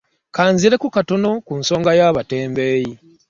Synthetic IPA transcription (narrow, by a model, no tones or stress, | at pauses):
kaːnziɾe̞kukato̞no̞kunso̞ːŋɡajaːβate̞ːmbe̞ːji